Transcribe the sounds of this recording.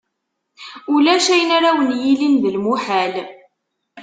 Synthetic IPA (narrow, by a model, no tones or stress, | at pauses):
ulæʃæjənaɾawənjilinðəlmuħæl